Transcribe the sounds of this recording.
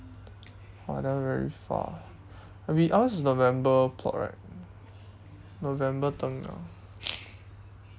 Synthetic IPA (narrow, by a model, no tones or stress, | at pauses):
oadãvɛɹḭfa̰ | abiʔawsnovɛ̃mbəpʰlɔ̰ʔɹa̰ɪt̚ | novɛ̃mbət̪ə̃ŋa̰